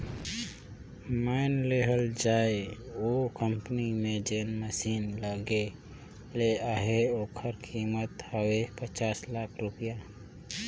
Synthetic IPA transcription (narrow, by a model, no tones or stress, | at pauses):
maɪnleːɦəld͡ʒaːeoːkə̃mpənimẽd͡ʒeːnməsiːnləɡe | leaɦeoːkʰəɾkʰiːmət̪həwepət͡ʃaːslaːkʰɾʊpɪjaː